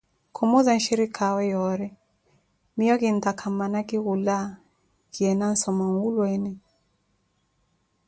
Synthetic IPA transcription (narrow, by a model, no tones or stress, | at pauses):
kʰɔmɔzan̩ʃiɾikʰawɛjɔɾɛ | miɔkint̪akʰamanakiɣula | kiɛnan̩sɔmaŋɡulwɛnɛ